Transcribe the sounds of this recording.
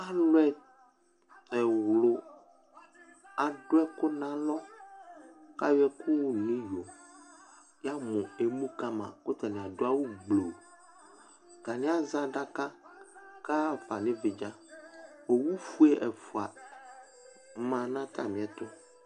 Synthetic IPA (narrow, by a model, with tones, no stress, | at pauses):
a˦lʊ˦ɛ˦ | ɛ˨wlʊ˨ | a˨ɖʊ˦ɛ˦kʊ˦nã˦lɔ˦ | ka˦jɛ˦kʰʊ˦wnĩ˦jo˨ | ja˦mɔ̃˨e˨mũ˦ka˦mã̰˨ko˦t̪a˨nĩ˨a˨do˦a˦wu˦ɡ͡blo˨ | ɡa˨nɪ̃˦a˦zã˦ɖa˦kã˦ka˦˨fa˨nɪ̃˦vɪ˨d͡ʒã˦ | o˨wu˦fu˦ɛ˦ʔɛ˨fu˨a˨ | mã˨nã˦t̪a̰˨mĩ˨ɛ˦t̪ʊ˦